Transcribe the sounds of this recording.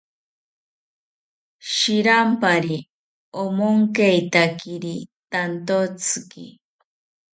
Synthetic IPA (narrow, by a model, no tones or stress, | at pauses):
ʃiɾampaɾi | omoŋkejt̪akiɾit̪ant̪ot͡sʰɨkḭ